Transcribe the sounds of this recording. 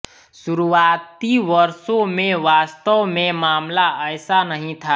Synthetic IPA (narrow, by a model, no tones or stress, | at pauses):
suɾuaːt̪iʋəɾsõmẽʋaːst̪əʋmẽmaːmlaʔəɪsanəɦĩt̪ʰa